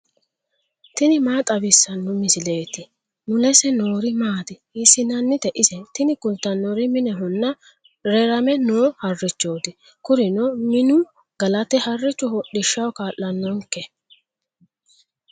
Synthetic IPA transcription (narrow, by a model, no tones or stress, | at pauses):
t̪ɪnɪmaːt̪ʼɐbɪsːɐnːʊmɪsɪleːt̪ːɪ | nʊlɛsɛnoːɾɪmaːt̪ɪ | ɪsɪnɐnːɪt̪ɛʔɪsɛt̪ɪnɪkʊnt̪ːɐnːɔɾɪmɪnɛɦʊnːɐ | ɾɛɾɐmɛnoːhɐrːɪt͡ʃːoːd̪ɪ | kʊɾɪnɔmɪnʊ | ɡɐlɐt̪ɛhɐrːɪt͡ʃːɔhɔɗɪʃːɐwkaːʔːɐnːɔŋkːɛ